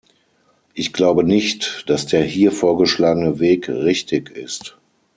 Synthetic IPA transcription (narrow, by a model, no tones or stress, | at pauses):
ʔɪçɡ̥laʊbənɪçtd̥asd̥eːɐhiːɐfoːɐɡəʃlaːɡənəveːkʁɪçtʰɪkɪ̰st